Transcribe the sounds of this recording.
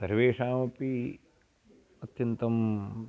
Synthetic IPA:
sɐɾʋeːʂaːmɐpi | ɐt̪jɐnt̪ɐm

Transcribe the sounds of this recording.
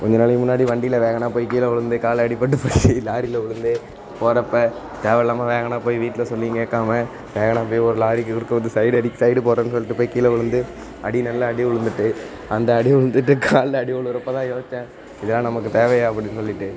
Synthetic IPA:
kɔɲd͡ʒɐnaːlɐɯmʊnːaːɽiʋɐɳɖɪjɪlɐʋeːɣɐnaːpoːjkiːlɐʊɻɯnd̪ɯkaːlɐɐɽɪpːɐʈ̬ːɯpoːilaːɾɪlɐʊɻɯnd̪ɯ | poːɾɐpːɐ | t̪eːʋɛlaːmaʋeːɣɐnaːpoːjʋiːʈːɪlɐsɔlːijŋkeːkːaːmɐ | ʋeːɣɐɳaːpoːjɔɾɯlaːɾɪkːɯkʊɽɯkːɯʋɐnd̪ɯsɐɪɽɯɐɽɪkːsɐɪɽɯpoːɾɐːnːɯsɔlːɪʈːɯpoːjkːiːlɐʊɻɯnd̪ɯ | ʔɐɽinɐlːɐɐɽiʊɻɯnd̪ɯʈːɯ | ɐnd̪ɐɐɽiʊɻɯnd̪ɯʈːɯkʰaːlɐɐɽiʊɭɾɐpːɐt̪ãːjoːsɪt͡ʃːɛ̃ | ɪðɛlːãːnɐmɐk̬ːɯt̪eːʋɐjaːɐpːɐɽɪnːsɔlːɪʈːɯ

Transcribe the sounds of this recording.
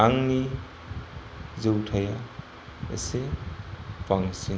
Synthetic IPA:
aŋni | zewtʰaja | ḛse | pʰaŋsi

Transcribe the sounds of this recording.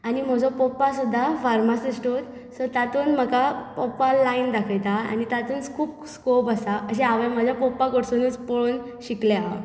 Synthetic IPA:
anim̤əd͡zɔpɔpːasud̪ʱːafaɾmasisʈot̪ | sɔɾt̪at̪uːnm̤əkapɔpalaind̪akʰəjt̪aa̰nit̪at̪uːnkʰuːpskopasaəɕeaʋam̤əd͡ʑʱjapɔpːakoʈsunuːt͡spoɭoːn | ɕikleaa̰

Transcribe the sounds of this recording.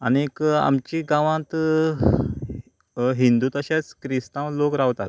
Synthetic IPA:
əneka̰mt͡ɕiɡãʋãt̪ | ɦind̪uːt̪əɕat͡skɾist̪ãwlokɾaʋt̪at̪

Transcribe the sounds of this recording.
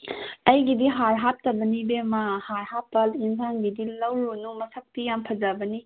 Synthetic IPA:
ɐjɡidiɦaɾɦap̚tɐbɐnibemahaɾhapːɐlinsʰanɡidilɐwɾunumɐsɐk̚tijampʰɐd͡ʒabɐni

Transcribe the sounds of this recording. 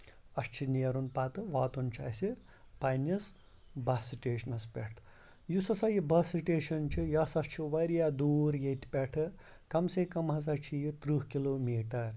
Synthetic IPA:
ɐst͡ʃʰinijɐɾunpaːt̪ɨʋaːt̪unt͡ʃʰa̰ːsi | pajnɐs | bɐsiʈeːʃɐnɐspʲeʈʰ | jusɐsɐjibɐsiʈeːʃɐnt͡ʃʰijɐsɐst͡ʃʰiʋɐɾjaːd̪uːɾjet̪pʲeʈʰɨ | kɐmseːkɐmɦɐz̬ɐt͡ʃʰijit̪ɾuhkiloːmiːʈɐɾ

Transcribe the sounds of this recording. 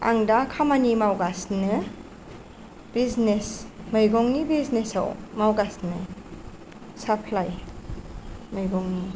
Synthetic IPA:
a̰ŋdakʰamanimawɡasnɯ | b̥iznesmajɡɔŋnibiznesa̰wmawɡasnɯ | sapʰlaj | majɡɔŋni

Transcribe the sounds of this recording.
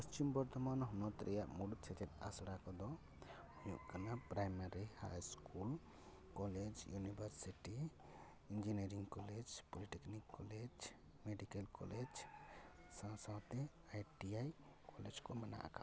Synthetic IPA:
pəst͡ʃimbəɾd̪ʱəmanɦunɔt̪ɾʔijamuɽut̪̚t͡ʃʰet͡ʃet̪a̰sɽakɔd̪ɔ | ujukənapɾajmaɾiha̰jskul | kɔled͡ʒjunibəɾsiʈi | ind͡ʒiniɾiŋɡkɔled͡ʒpoliʈeknikːɔled͡ʒ | meɖikelkɔ̰led͡ʒ | sãsãt̪e | ajʈiaj | kɔled͡ʒkoməna̰ka̰

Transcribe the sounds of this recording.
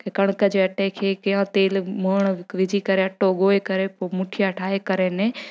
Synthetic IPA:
kekɐɽ̃kəd͡ʒeɐʈekʰeːkɐjãt̪eːlməːɳ̃ʋɪd͡ʒʱikɐɾeɐʈoɠoːekɐɾepoːmʊʈʰijaɐʈʰaːɦekɐɾenẽ

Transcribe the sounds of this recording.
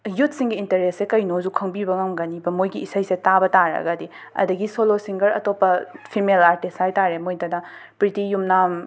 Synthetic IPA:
jut̚ʰsiŋɡiːntɐɾessekɐjnozukʰɐŋbibɐŋamɡɐnibɐmojɡiːsɐjsetabɐtaɾɐ̰ɡɐdi | ɐ̰dɐɡisolosiŋɡɐɾɐ̰topːɐpʰimelaɾtisajtaɾemojdɐdɐ | pɾitijumnam

